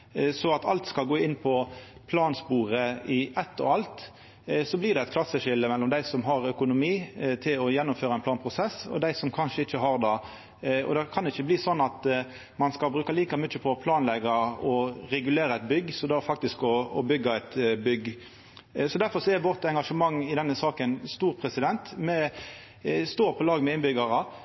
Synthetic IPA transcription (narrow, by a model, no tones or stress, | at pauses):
sɔɑt̪ɑ̰lt̪skɑlɡoːɪnːpʰɔpʰlɑːnspuːɾəɪʔɛt̪ːɔ̰ɑlt̪ | sɔblɪd̪ɛɛt̪kʰlɑsːəʂɪlːəmɛlːɔmd̪æɪsɔmɦɑʁœkʊnʊmiːt̪ʰɪlɔjɛnːʊmføːɾɑæɪnplɑːnpʰʁʊsɛsɔ̰d̪æɪsɔmkʰɑnʂəɪçːəɦɑɾd̪ɑ | ɔ̰d̪ɛkʰɑnɛɪçːəbliːsɔnːɑt̪ | mɑnskɑlbɾʉːkɑliːkɑmʏt͡ʃːəpʰɔpʰlɑːnlɛɡɑɔɾɛɡʉleːɾəɛt̪̚bʏɡːsɔd̪ɑfɑk̚t̪ɪskɔɔbʏɡːɑɛt̪bʏɡ | sɔd̪æɾfɔʁsɔɛɾʋɔʁt̪ɛŋɡɑʂəmɑŋːɪd̪ɛnːəsɑːkənst̪uːɾpʰɾɛsɪd̪ɛnt̪mɛ | st̪oːʁpʰɔlɑːɡmɛɪnbʏɡɑʁɑ